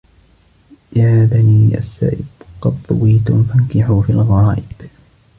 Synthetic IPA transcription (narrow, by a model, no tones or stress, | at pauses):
jaːaðaniːʔa̰sːa̰ːʔɪbqɑd̪ˤʊwiːt̪ʊnfankɪħuːfialɣaːʔɪb̥